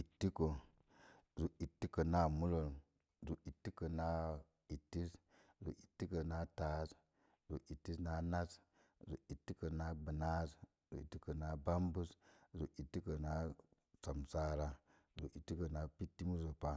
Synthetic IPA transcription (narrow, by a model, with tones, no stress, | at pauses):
i˨tːi˦ko˨ | zu˨i˨tːi˦ko˨na˦mu˦lo˨l | zu˨ʔi˨tːi˦ko˨na˦ | i˨tːi˦s | zṵ˨ʔi˨tːi˦ko˨na˦taː˨˦s | zu˨ʔi˨tːi˦sna˦na˦s | zṵ˨i˨tːi˦ko˨na˦bɨ˨na˦s | zṵ˨ḭ˨tːi˦ko˨na˦ba˦mbu˦szu˨ʔi˨tːi˦ko˨na˦ | sa˨msa˦ɾa˦ | zu˨ʔi˨tːi˦ko˨na˦pi˦tːi˦mu˦zo˨pa˦